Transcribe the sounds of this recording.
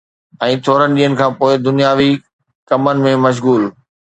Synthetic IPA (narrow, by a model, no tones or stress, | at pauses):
ɛ̃ːt̪ʰoːɾənɪ̆ɗĩːənɪ̆kʰãːpoːɪd̪ʊnijaːʋi | kɐmənɪ̆mẽmɐʃ̬ɣuːl